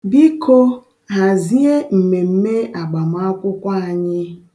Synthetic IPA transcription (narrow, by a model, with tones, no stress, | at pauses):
bi˦kʰo˦ | ɦa˨zi˦e˦m̩˨me˨m̩˦me˦a˨ɡ͡ba˨m˨˦a˦kʷʊ˦kʷa˦a˨ɲɪ˦